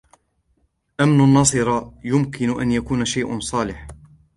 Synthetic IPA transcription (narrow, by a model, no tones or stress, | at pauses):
ʔamnʊnːɑsˤɨɾɑjʊmkɪnʊʔa̰njakuːnaʃajʔʊ̰nsˤɑːlɪħ